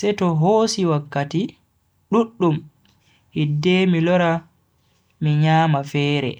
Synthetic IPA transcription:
sɛtɔɦoːsiwakːati | ɗuɗːum | hidːɛmilɔɾa | miɲaːmafɛːɾɛ̰

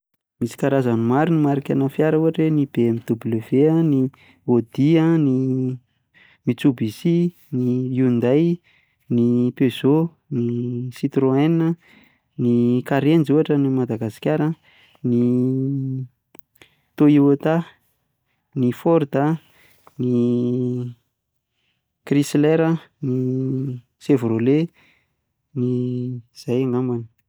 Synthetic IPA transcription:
misi̥kaɾazanumaɾunimaɾikʲanafjaɾəuaʈ͡ʂenibeemid̪ubleveəni | od̪̥iəni | mit͡subisi | niund̪aj | nipez̥o | nisit̪ɾoenə | nikaɾend͡ʒuaʈ͡ʂənimad̪aɡasi̥kʲaɾə | ni | t̪oiwot̪a | nifɔɾd̪a | ni | krisleɾəni | sevɾole | niz̥ajaŋamanə̥

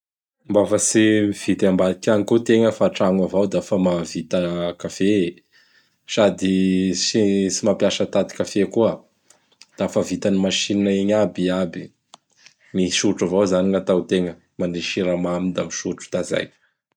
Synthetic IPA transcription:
mbafəsimiv̥it̪ambad̪ikʲanikut̪eŋəfaːʈ͡ʂaŋavawd̪aafəmavit̪akafe | sad̪isisimapjaʃət̪at̪i̥kafekuə | d̪̥aafəvit̪animaʃininaiɲabiabi | miʃuʈ͡ʂavawzaniŋat̪awt̪eŋə | maniʃiɾamamind̪amiʃuʈ͡ʂu̥t̪aza̰j

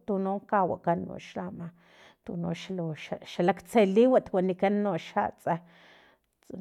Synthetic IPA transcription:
t̪unoŋkawa̰kanːo̰ʃlama | t̪unoʃaloʃaʃalakt͡seliwat̪wanikanːoʃa̰t͡sʼa | t͡s

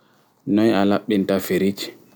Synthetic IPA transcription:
nɔjalaɓːintafeɾit͡ʃ

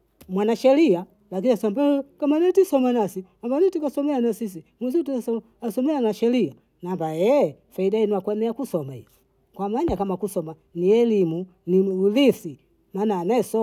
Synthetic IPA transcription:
mwanaʃɛlia | lak̬iniasambɛkamanɛtisɔmanasi | ambanitikasɔmɛanasis̬imusitsɔ | asɔmɛanaʃɛlia | nambajɛ | faidainiakwɛnɛakusɔmaḭ | kwamaɲakamakusɔma | niɛlimu | niulisi | manaːnɛsɔ

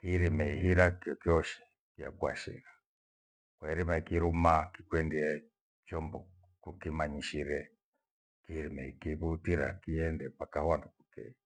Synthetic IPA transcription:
kiɾimɛiɦiɾakɔkiɔʃɛ̥ | kija̰kua̰ʃḭɾa | kwaiɾimaikiɾumakikwɛndiɛ | t͡ʃɔmbɔ | kukimaɲiʃiɾɛ | kiɾimɛikiβutiɾa̰kiɛndɛpakahwandukukɛ̰i

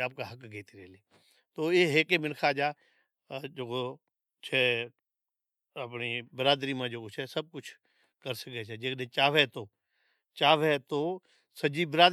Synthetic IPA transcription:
aːp̚kaɦɐkɡeːt̪iɾɛːleː | t̪oːeɦeːkemɪnkʰad͡ʒa | d͡ʒoːko | t͡ʃʰɛ | ɐpnibɪɾaːd̪ɾimãd͡ʒoːkot͡ʃʰɛsɐb̚kʊt͡ʃʰ | kɐɾsəkɛt͡ʃʰɛd͡ʒeːknẽt͡ʃaːʋɦɛt̪oː | t͡ʃaːʋɦɛt̪oː | sɐd͡ʒibɪɾaːd̪

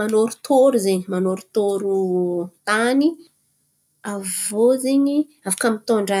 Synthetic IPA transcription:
anoɾu̥t̪ʰoɾuzeɲəmanoɾut̪oɾut̪ani | avozeɲi | afḁkamit̪oɳɖ͡ʐa

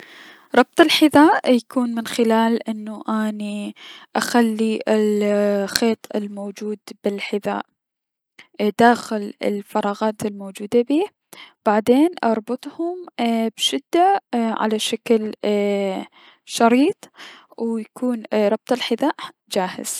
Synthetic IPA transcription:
ɾˤɑb̚t̪ˤɪlħɪðaːʔjakuːnmɪnxɪlaːlʔɪnːuʔaniʔaxalːiʔɪlxeːt̪ˤɪ̰lmowd͡ʒuːd̪bɪlħɪða̰ːʔ | d̪aːxɪlɪ̰lfɑɾˤɑːɣɑːt̪ɪlmoːd͡ʒuːd̪abiː | b̥aʕd̪eːnʔɑɾˤbʊt̪ˤhʊmb̥ʃɪd̪ːaʕa̰laʃakl | ʃɑɾiːt̪ˤwjakuːnɾˤɑb̚t̪ˤɪlħɪðaːʔ | d͡ʒaːhɪ̰z̥

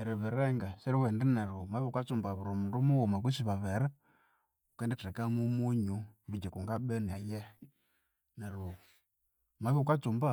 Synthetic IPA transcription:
ɛɾɛβɛɾɛŋɡasɛɾiwɛndɛnɛɾumaβikat͡sumbaβuɾɔmundumuwumak̬usiβaβɛɾɛ | ukɛndɛtɛkamumuɲuβid͡ʒɛkuŋɡaɓɛnajɛ | nɛɾu | maβiukat͡sumba

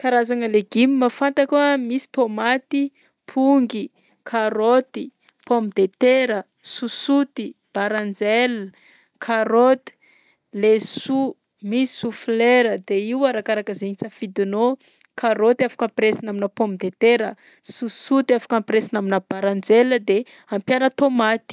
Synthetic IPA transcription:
kaɾazaŋəleɡimimafant̪akʲuəmisi̥t̪omat̪i | pʰuŋɡi | kʰaɾot̪i | pomid̪et̪eɾə | susut̪ib̥aɾand͡zel | kʰaɾot̪i̥ | lesu | misi̥sufleɾəd̪eiwaɾakaɾakəzeɲit͡safid̪ino | kʰaɾot̪iafḁkampresinaminəpombid̪et̪eɾə | susut̪iafḁkampɾesinaminəb̥aɾand͡zeləd̪e | ampjaɾət̪omat̪i̥

